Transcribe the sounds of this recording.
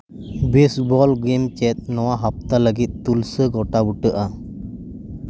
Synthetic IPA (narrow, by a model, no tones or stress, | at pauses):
besbɔlɡemt͡ʃɛt̪̚nɔwaɦap̚t̪aləɡit̪̚ːulsəɡɔʈabuʈəʔa